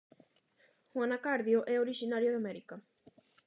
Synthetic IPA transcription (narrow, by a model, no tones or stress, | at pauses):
xwanakaɾðjoʔɛoɾiʃinaɾjoðamɛɾika